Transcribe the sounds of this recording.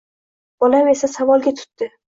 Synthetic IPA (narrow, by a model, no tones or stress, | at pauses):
b̥ɒlame̞sasavɒlˠɡʲat̪ʰʊ̥t̪ːɪ